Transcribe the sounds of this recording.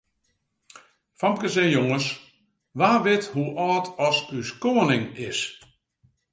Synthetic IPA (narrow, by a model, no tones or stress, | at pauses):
famkəsɛjoŋəs | ʋaːʋɪthuʔɔːtʰɔsyskoːənɪŋɪs